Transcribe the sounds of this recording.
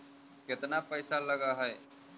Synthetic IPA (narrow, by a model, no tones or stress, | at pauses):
kɪt̪napəjsaləɡaɦɛe